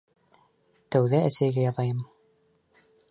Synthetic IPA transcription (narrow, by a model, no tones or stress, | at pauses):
t̪æwðæːsæjɘɡæjɑðɑjɤm